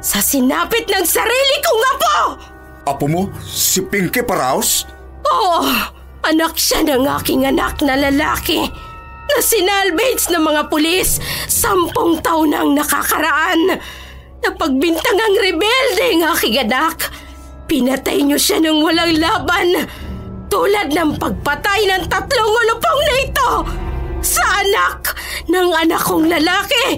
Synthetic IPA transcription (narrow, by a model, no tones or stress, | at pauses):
sɐsɪnaːpɪt̪̚nɐŋsɐɾiːlɪkoŋɐpo | ʔɐpomosɪpɪŋkɛpɐɾa̰ːos | ʔo | ʔɐnak̚ʃanɐŋʔa̰ːkɪŋɐna̰k̚nɐlɐla̰ːkɪ | nɐsɪnalbɛjt̪snɐmɐŋapʊlisːampoŋt̪awnɐ̰ŋnɐka̰kɐɾɐʔan | nɐpɐɡ̚bɪnt̪ɐŋaŋɾɛbɛld̪ɛŋʔaːkɪŋɐnak | pɪnɐt̪a̰jɲoʃanɐŋwɐlaŋlaːban | t̪uːlɐd̪̚nɐŋpɐɡ̚pɐt̪ajnɐŋt̪ɐt̪loŋolʊpoŋnɐɪt̪o | sɐʔɐnak̚ | nɐŋɐnakoŋlɐlaːkɛ